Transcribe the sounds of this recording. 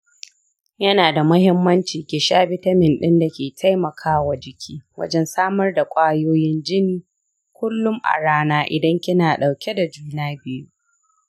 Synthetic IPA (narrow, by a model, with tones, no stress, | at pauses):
jɐ˦naː˨da˨mʊ˦hɪ˦mːɐ˦nt͡ʃiː˨kʲeː˨ʃaː˦bɪ˦tɐ˦mɪ˨nɗɪ˦nda˨kʲeː˨tʰa˦jmɐ˨kʰaː˦wa˨d͡ʒɪ˨kʲʰiː˦wɐ̰˦d͡ʒɛ˦nsaː˦mɐ˦rda˨kʷʼaː˦joː˦jɪ˦nd͡ʒɪ˦niː˨ | kʷʊ˦lːʊ˦ŋʔa̰˨ɽaː˦naː˦ʔɪ̰˨dɐ˦ŋkʲɪ˦naː˨ɗa˨wkʲe˦da˨d͡ʒuː˦naː˦bɪ˦ju˦